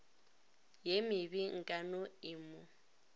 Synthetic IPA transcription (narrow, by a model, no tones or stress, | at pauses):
jemɪbiŋ̩kʼanʊɪmʊ